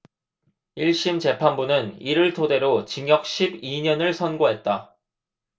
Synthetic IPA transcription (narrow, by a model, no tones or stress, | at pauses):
iɭɕ͈imt͡ɕe̞pʰanbunɯniɾɯɭtʰode̞ɾot͡ɕiŋjʌk̚ɕʰibiɲʌnɯɭsʰʌnɡoɦe̞t̚t͈a